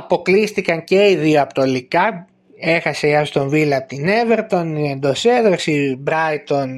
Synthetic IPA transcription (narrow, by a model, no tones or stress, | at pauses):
ɐpo̞klist̪ikɐɲce̞iðioɐpot̪olikɐ | e̞xɐsejɐst̪o̞ɱvilɐpt̪ine̞ve̞ɾt̪o̞niend̪o̞seðɾosibɾɐjt̪o̞n